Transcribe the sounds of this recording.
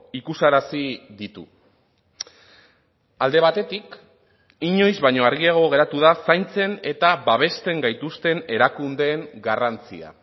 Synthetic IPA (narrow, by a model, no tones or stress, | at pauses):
ikusaɾasiðit̪ṵ | ald̪e̞β̞at̪e̞t̪ik | iɲo̞jzβajɲo̞aɾɣiaɣ̞o̞ɣ̞e̞ɾat̪uðasajnt͡se̞ne̞t̪aβaβ̞e̞st̪e̞ŋɡajt̪ust̪e̞ne̞ɾakund̪e̞ːŋɡarant͡sḭa̰